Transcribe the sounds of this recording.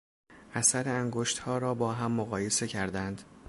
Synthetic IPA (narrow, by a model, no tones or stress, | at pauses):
ʔæsæɾeæŋɡoʃt̪hɒːɾɒːbɒːɦæmːoɣɒːje̞se̞cʰæɾd̪ænd̪